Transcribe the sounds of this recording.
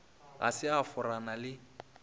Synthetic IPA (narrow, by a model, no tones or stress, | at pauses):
a̰sɪafʊranalɪ